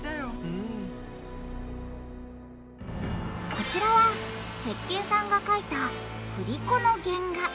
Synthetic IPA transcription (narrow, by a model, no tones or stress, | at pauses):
ajoɯ | ko̞t͡ɕiɾaβat̪e̞kːe̞ːsãŋɡakait̪aɸɯ̟ɾʲiko̞no̞ɡẽ̞ŋɡa